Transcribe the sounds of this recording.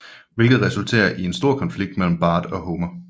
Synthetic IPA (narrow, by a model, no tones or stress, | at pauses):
ʋe̝lɡ̥ð̩ˠʁɛsult͡sʰḛːɐʔie̝nsd̥o̝ɐ̰kʰɒ̽nfliɡ̥̚d̥mel̰m̩b̥ɑ̈ːd̥ɒ̽ɦoːmɐ